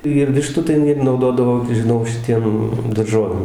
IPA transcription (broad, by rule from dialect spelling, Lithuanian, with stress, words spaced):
ɪr ˈʋʲɪʃtuː tɐɪ ˈɪr nɐʊˈdoːdɐʋoː ʒʲɪˈnɐʊ ʃʲɪˈtʲiɛm dɐrˈʒoːʋʲeːm